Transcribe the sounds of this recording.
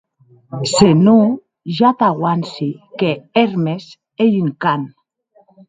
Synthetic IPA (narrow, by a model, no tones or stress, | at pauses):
senu | ʒat̪aɣwansikeeɾmes | ejyŋkan